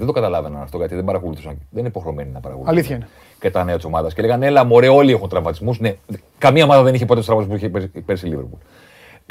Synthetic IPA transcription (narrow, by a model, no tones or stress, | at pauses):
ðend̪o̞kɐt̪ɐlɐvenɐnɐft̪o̞ʝɐt̪iðebɐɾɐko̞luθusɐnðenineipo̞xɾeome̞ninɐpɐɾɐ̰kolliθçɐin | cet̪ɐneɐt̪isomɐðɐsceleɣɐnelɐmo̞ɾeo̞liexunt̪ɾɐvmɐt̪izmusne̞ | kɐmiɐo̞mɐðɐðe̞niçepo̞t̪estɾɐmɐt̪spuiçepepe̞ɾsiliveɾpul